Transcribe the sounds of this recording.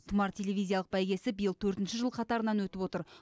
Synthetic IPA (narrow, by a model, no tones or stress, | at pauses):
t̪ʰʊmɑɾtʲʰe̞lʲe̞vʲijzʲijɑlˠəq̚bæjɡʲe̞sɪbijəlˠt̪ʰɵɾt̪ɪnʃɪʒəlˠqʰɑt̪ɑɾənɑnwɵt̪ɪpwo̞t̪əɾ